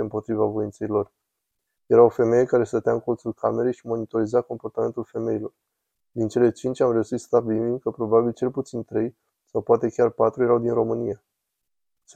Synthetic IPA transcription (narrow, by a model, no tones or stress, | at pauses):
ɨmpo̞t̪ɾivavo̞int̪seilo̞r | je̞ɾawfe̞meje̞kaɾe̞st̪ət̪ejaɨŋko̞lt̪sulkame̞ɾejʃimo̞nit̪o̞ɾizeako̞mpo̞rt̪ame̞nt̪ulfe̞me̞ilo̞r | d̪int͡ʃe̞le̞t͡ʃint͡ʃʲamre̞uʃit̪st̪abilmimkəpɾo̞babilt͡ʃe̞lput̪sint̪ɾe̞j | sawpoat̪e̞kʲarpat̪ɾuje̞ɾawd̪inɾo̞mɨnija